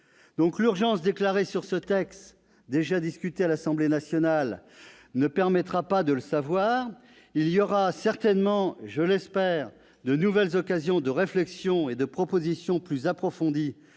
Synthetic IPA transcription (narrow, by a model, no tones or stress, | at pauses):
d̪̥ɔ̃klyʁʒɑ̃sd̪eklaʁesyʁsət̪ɛkst̪ | d̪eʒad̪iskʲyt̪ealasɑ̃blenasjɔnal | nəpɛʁmɛt̪χapad̪ələsavwaːʁ | iljɔʁasɛʁt̪ɛnmɑ̃ʒəlɛspɛːʁ | d̪ənuvɛlzɔkazjɔ̃d̪əʁeflɛksjɔ̃ed̪əpχɔpozisjɔ̃plyzapχɔfɔ̃d̪i